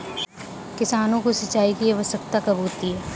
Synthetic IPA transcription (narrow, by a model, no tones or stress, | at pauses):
kɪsaːnõkosɐt͡ʃːaːikieʋɐsəkt̪akɐbʱɦoːt̪iɦɛː